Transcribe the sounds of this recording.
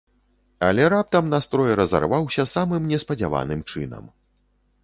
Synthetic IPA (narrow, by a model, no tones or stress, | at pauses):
ɐ̰lʲɛɾap̚t̪ɐmnast̪ɾɔjɛɾɐza̰rvawsʲɐsamɨmnʲɛspɐd͡zʲa̰va̰nɨmt͡ʂɨnɐ̰m